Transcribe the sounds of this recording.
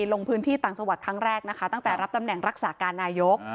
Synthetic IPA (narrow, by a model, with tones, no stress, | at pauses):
lo˧ŋpʰɯː˦˥nt̪ʰiː˥˩aː˨˩ŋsa˧wa˨˩t̪̚kʰɾa˦˥ŋɾɛː˥˩k̚na˦˥kʰa˦˥t̪a˥˩ŋt̪ɛː˨˩ɾa˦˥p̚t̪a˧mnɛ˨˩ŋɾa˦˥k̚saː˩˦kaː˧nːaː˧jo˦˥k̚